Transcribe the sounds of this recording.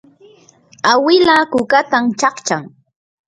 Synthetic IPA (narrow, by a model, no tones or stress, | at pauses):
awɪlakʊkat̪amt͡ʃɑχt͡ʃaŋ